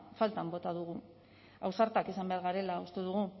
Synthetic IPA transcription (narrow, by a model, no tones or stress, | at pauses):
falt̪ambo̞t̪aðuɣ̞u | awsaɾt̪akisambe̞aɾɣaɾe̞laust̪e̞ðuɣ̞u